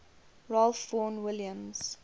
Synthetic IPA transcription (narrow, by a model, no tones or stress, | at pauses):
ɹalfːɔnwɪljə̃mz̥